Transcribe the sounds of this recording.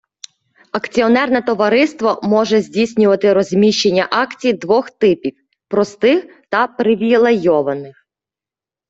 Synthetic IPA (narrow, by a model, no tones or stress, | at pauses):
ɐkt͡sʲiɔnɛrnɛt̪ɔʋɐɾɪst̪ʋɔmɔʒɛzʲdʲisʲnʲʊʋɐt̪ɪɾɔzʲmʲiʃt͡ʃe̞nʲːɐʔɑkt͡sʲijd̪ʋɔxt̪ɪpʲiw | pɾɔst̪ɪx | t̪ɐpɾɪʋʲilˠejɔʋɐnɪx